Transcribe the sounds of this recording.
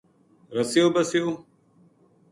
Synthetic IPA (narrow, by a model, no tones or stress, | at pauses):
ɾəsijoːbɐsijoː